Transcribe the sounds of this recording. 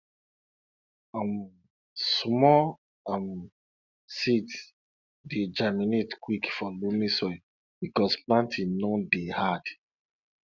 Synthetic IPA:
am | smɔ | am | sit | ded͡ʒaminetkwikfɔlomĩsɔj | b̥ikɔsplãntʰĩnɔdehad̥

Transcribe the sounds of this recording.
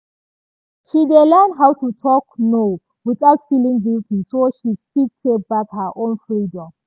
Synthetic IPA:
ʃidelɛndɦawtutʰɔkno | wiθawtfilĩŋviltisoʃipik̚ted̚bakhəʔõnfɹidɔ̃m

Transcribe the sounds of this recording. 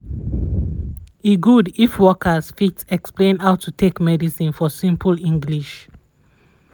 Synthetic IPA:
iɡudifwɔkʰəsfitsɛksplẽnhaʊtutʰekmɛdisĩnfɔsĩmpʰəlĩŋɡliʃ

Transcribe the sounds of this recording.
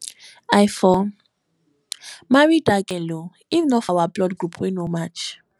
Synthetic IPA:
ajfɔ | maɹidaɡɛlo | ifnɔfawablɔdɡɹupʰwenomat͡ʃ

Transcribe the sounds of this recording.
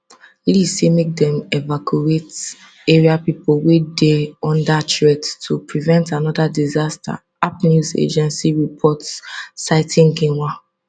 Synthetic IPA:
lisemek̚dɛ̃mɛvakʰuet | eɹiapipolwedeɔ̃ndatʰɹɛttʰupɹivɛ̃ntanɔdadizastʰa̰ | apnuzḛd͡ʒɛ̃nsiɹipʰɔtsːaɪtĩŋɡĩnwa

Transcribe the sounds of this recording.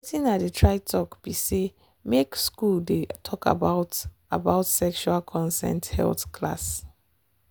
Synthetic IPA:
tĩnadətʰɹaɪtʰɔkb̥ise | mekskuldetʰɔka̰baʊt | a̰baʊtsɛkʃualkʰɔ̃nsɛ̰̃nthɛ̰lθkʰla̰s

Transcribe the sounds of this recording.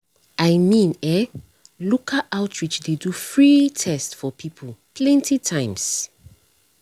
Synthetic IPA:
ʔaɪmĩnɛ | lukʰaʔaʊtʰɹit͡ʃdedufɹitʰɛstfɔpʰipʰəlpʰlɛ̃ntitʰãɪ̃ms

